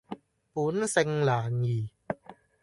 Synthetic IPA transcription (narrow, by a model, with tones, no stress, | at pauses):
pu˨˦nse˧ŋlaː˨˩ŋiː˨˩